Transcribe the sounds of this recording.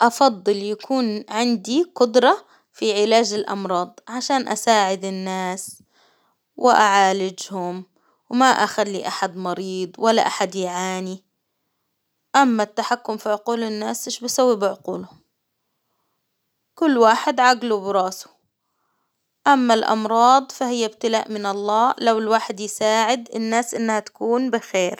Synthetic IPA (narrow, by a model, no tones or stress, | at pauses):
ʔɑfɑd̪ˤːɨljakʰuːnʕɪnd̪iqʊd̪ɾˤɑ | fiʕɪlaːd͡ʒɪlʔɑ̰mɾˤɑːd̪ˤʕaʃaːnʔa̰saːʕɪd̪ɪnːaːs | wʔɪʔaʕaːlɪd͡ʒhʊm | wmaʔaxad̪ːiʔaħad̪mɑɾiːd̪ˤwalːa̰ʔaħad̪jʕaːni | ʔamːat̪ːaħakːʊmfiʕʊquːlɪnːaːsʔɪʃbɪsawːibɪʕʊquːlʊm | kʊlːwaːħɪd̪ʕaɡlubɪɾˤɑːsʊ̥ | ʔamːalʔɑ̰mɾˤɑːd̪ˤfahɪjːab̚t̪ɪlaːʔmɪnɑlˤːɑːlawɪlwaːħɪd̪jsaːʕɪd̪ɪnːaːsʔɪnːhat̪ḁkuːnbɪxeːɾ